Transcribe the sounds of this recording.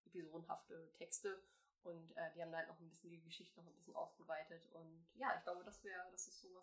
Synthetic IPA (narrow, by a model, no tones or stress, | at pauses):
ʔepizoːdn̩ɦa̰ftətʰɛkstə | ʔʊntʔɛːdiːhaːbm̩daːhaltnɔʊχnbɪsçəndiəɡəʃɪçtənɔχn̩bɪsçənʔa̰ʊsɡ̥əvaɪtətʊntjaːɪçɡ̥laʊbədasv̥ɛːɐdasɪstz̥oːvas